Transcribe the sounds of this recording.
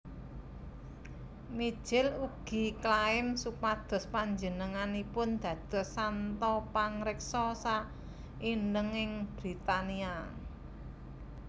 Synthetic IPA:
mi̥ʒ̥ɪluɡ̥i̤klaɪmsupad̪̥ɔ̤spaɲd͡ʒənəŋanipʊnd̪̥ä̤d̪̥ɔ̤sːant̪ɔpaŋɾɪk̚sɔsa | inɖəŋɪŋb̥ɾit̪ania

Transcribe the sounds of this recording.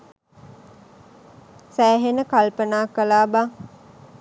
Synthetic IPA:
sæːɦenəkalpənaːkəlaːba

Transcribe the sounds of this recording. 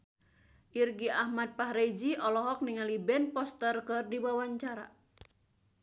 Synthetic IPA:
ʔirɡiahmat̪̚pahɾed͡ʒiʔɔlɔɦɔk̚niŋalibɛnpɔst̪ərkɨrdiwawaɲt͡ʃaɾa

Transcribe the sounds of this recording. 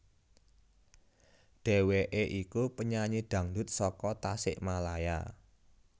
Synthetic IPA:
ɖ̥ɛ̤weʔeʔikupəɲaɲiɖ̪̥ä̤ŋd̪ʊt̪̚sɔkɔt̪asɪ̰ʔmalaja̰

